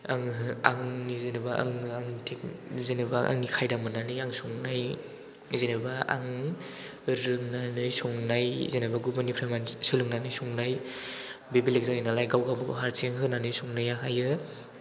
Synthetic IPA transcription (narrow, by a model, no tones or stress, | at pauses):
aŋa̰ŋnizenabaʔa̰ŋɯaŋtʰekzenɯbaʔa̰ŋnikʰajdamɯnanɯjaŋsɔŋnaj | zenebaa̰ŋ | ɾɯŋnanɯjsɔŋnajzenabaɡubɯnipʰɾamansɯlɯŋnanɯjsɔŋnaj | bebilek̚zaŋninalajɡawɡambɯɡɔ̰ɦaɾsʰeŋɦɯnanɯjsɔŋnajaɦajɯ